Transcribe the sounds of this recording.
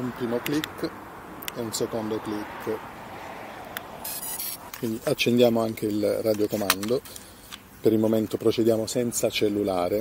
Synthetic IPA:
umpɾiːmoklikː | ɛunsekond̪oklikː | kwiniat͡ʃːend̪jaːmoaŋk̟elrad̪jokomand̪o | peɾilmoment̪opɾot͡ʃed̪jaːmosɛnt̪sat͡ʃelːulaːɾe

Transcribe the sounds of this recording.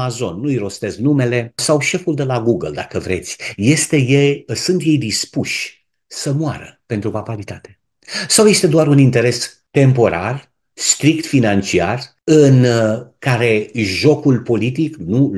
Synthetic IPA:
azo̞nːujɾo̞st̪e̞zknume̞le̞sawʃe̞fuld̪e̞laɡuɡəld̪akəvɾe̞̰t̪sʲje̞st̪e̞jesunt̪je̞jd̪ispuʃʲ | səmoa̰ɾə̰pe̞nt̪ɾupapalit̪at̪e̞ | sawje̞st̪e̞d̪oaɾunint̪e̞ɾe̞s | t̪e̞mpo̞ɾa̰r | st̪ɾik̚t̪finant͡ʃiar | ɨnkaɾe̞ʒo̞kulpo̞lit̪iknu

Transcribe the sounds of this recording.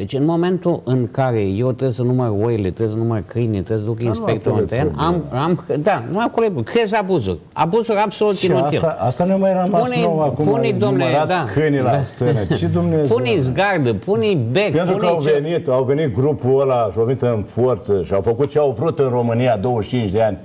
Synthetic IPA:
d̪et͡ʃʲɨnmo̞mẽ̞nt̪uʔɨŋkaɾejewt̪ɾesənumərojlet̪ɾesənumərkɨjnit̪ɾes̬əd̪ukəinspekt̪oɾunt̪eɾenamamd̪anuakoloebukɾezabuzṵrʲa̰buzuɾabsolut̪inoiaast̪anuamajɾəmapuneoakupuid̪omned̪atd̪akʰɨjnilast̪ɨnet͡ʃed̪umneapunijzɡard̪ɨpʰunʲibekpent̪ɾukəawvenit̪awve̞nit̪̚ɡɾupuəlaʃawvenit̪ɨnfort̪səʃiawfəkut̪̚t͡ʃeawvɾut̪ɨnro̞mɨnijad̪o̞wəʃt͡ʃint͡ʃd̪eanʲ

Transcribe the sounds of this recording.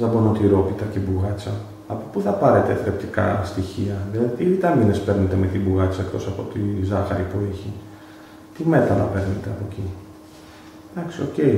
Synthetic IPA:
ɐbono̞t̪iɾo̞p̪it̪ɐcebuɣɐt͡sɐː | po̞puθɐpɐɾet̪e̞fep̚t̪ikɐst̪içiɐðilɐðit̪ilit̪ɐminespe̞ɾnet̪e̞met̪ibuɣɐt͡sɐekt̪o̞sɐpo̞t̪izɐxɐ̰ɾipueçi | t̪ime̞t̪ɐnɐ̰pe̞ɾnet̪e̞ɐpoci | d̪ɐksio̞ce̞j

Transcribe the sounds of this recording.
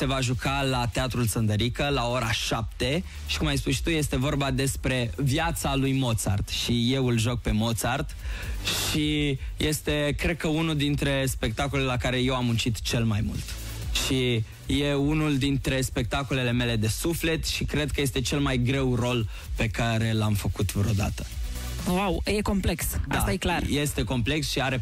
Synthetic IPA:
se̞vaʒukalat̪e̞at̪ɾulsənd̪əɾikəlao̞ɾaʃap̚t̪e̞ | ʃi̥kumajspuʃt̪uje̞st̪e̞vo̞rbad̪e̞spɾe̞vjat̪salujmo̞t̪sa̰rd̪̥ʃije̞wɨlʒo̞k̚pe̞mo̞t̪sard̪̥ʃije̞st̪e̞kɾe̞d̪̚kəunuld̪int̪ɾe̞spe̞k̚t̪ako̞lelakaɾe̞je̞wamunt͡ʃit̪t͡ʃe̞lmajmṵlt̪ | ʃi | je̞unuld̪int̪ɾe̞spe̞k̚t̪ako̞le̞le̞me̞le̞d̪e̞sufle̞t̪ʃikɾe̞d̪̚kəje̞st̪e̞t͡ʃe̞lmajɡɾe̞wro̞l | pe̞kaɾe̞lamfəkut̪vɾeod̪a̰t̪ə̥ | wawje̞ko̞mpleksda̰ast̪ajeklarje̞st̪e̞ko̞mple̞ksʃiaɾe̞

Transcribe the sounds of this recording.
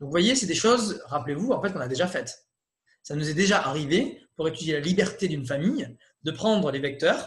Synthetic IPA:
d̪ɔ̃kvwajesɛd̪eʃɔzʁaplevuɑ̃fɛt̪kɔ̃nad̪eʒafɛt̪ | sanuzɛd̪eʒaʔaʁivepuʁet̪yd̪jelalibɛʁt̪ed̪ynfamij | d̪əpχɑ̃d̪ʁəlevɛk̚t̪œʁ

